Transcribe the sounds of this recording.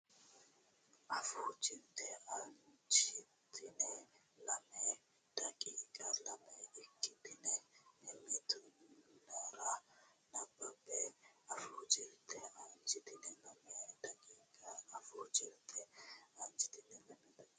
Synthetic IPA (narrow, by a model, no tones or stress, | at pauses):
ʔɐfuːt͡ʃɪnt̪ʰɛɐnt͡ʃɪt̪ʰɪnɛ | lɐmɛ | d̪̥ɐkʼiːkʼɐlɐmɛɪkːɪt̪ɪnɛnɛmɪt̪ʊnaɾɐnɐbːɐbɛɐfuːt͡ʃʼɪnt̪ʰːɛʔɐnt͡ʃɪt̪ɪnɛlɐmɪjɐd̪ɐkʼiːkʼɐɐfɔːt͡ʃɪɾt̪ʰʼɛɐnt͡ʃɪ̥t̪ɪnɛlɐmɛt̪ɐ